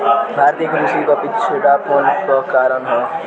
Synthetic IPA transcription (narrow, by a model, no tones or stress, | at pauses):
bʱaɾt̪ikɾusikobit̪sʰud̪apʰonpʌkaɾʌnɦʌ